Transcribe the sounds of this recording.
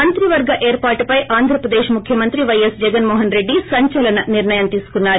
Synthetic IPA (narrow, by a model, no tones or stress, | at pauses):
ɐnt̪ɾiʋɐɾɡɐʔeːɾpaːʈupɐjʔaːnd̪ʱɾɐpɾɐd̪eːʃmukʰjɐmɐnt̪ɾiʋɐjɐsd͡ʒɛɡɐnmɔːɦɐnɾe̞ɖːisɐɲt͡ʃɐlɐnɐniɾnɐjɐmt̪iːsu̥kunːaːɾu